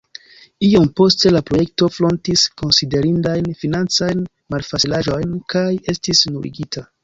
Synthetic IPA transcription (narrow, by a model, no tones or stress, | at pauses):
iompo̞ste̞lapɾo̞je̞k̚to̞flo̞ntisko̞nside̞ɾindajnfinant͡sajn | malfat͡silaʒo̞jnkaje̞stisnuɾḭɡitʰa